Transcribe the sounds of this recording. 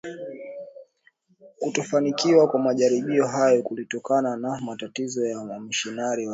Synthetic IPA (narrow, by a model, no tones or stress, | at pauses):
kutɔfanikiwakwamaʄaɾiɓiɔɦajɔkulitɔkananamatatizɔjam̩ʃinaɾiwa